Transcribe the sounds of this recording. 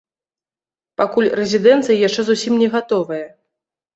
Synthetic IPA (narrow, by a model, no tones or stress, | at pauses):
pakulʲrɛzʲid̪ɛnt̪sɨjɐjaʂt͡ʂɛzusʲimnʲɛɣat̪ɔvɐjɐ